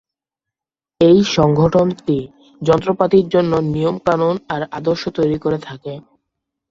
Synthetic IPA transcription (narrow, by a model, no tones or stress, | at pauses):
ejʃɔŋɡʱoʈonti | d͡ʑɔnt̪ɾopat̪iɾd͡ʑonːonijomkanonaɾad̪oɾʃot̪ojɾikoɾet̪ʰake